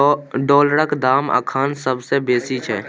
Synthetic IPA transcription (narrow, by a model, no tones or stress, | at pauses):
ɖɔːlɾəkd̪aːmə̰kʰaːnsəbsebeːsit͡ʃʰɛː